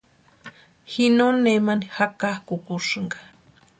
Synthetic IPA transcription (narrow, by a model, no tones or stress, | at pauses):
hinonemanihakahkukuʂɨŋɡḁ